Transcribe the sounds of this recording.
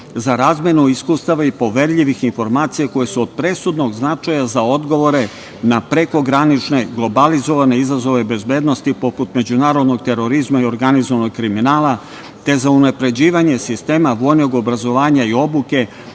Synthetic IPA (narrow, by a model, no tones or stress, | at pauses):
zaɾaːzmje̞nuiskust̪aʋaipo̞ʋe̞ɾʎiʋixinfo̞ɾmaːt̪sijako̞je̞suod̪̥̚pɾe̞sud̪no̞ɡznat͡ʃajazao̞d̪ɡo̞ʋo̞ɾe̞ | napɾe̞ko̞ɡɾanit͡ʃne̞ɡlˠo̞balizo̞ʋane̞izazo̞ʋe̞be̞zbeːd̪no̞st̪ipo̞put̪me̞d͡ʑunaːɾo̞d̪no̞ɡ̚t̪e̞ɾo̞ɾizmaio̞ɾɡanizoʋano̞ɡ̚kɾiminaːla | t̪e̞zaunapɾe̞d͡ʑiːʋaɲe̞sist̪e̞ːmaʋo̞jno̞ɡo̞bɾazo̞ʋaːɲaio̞buke̞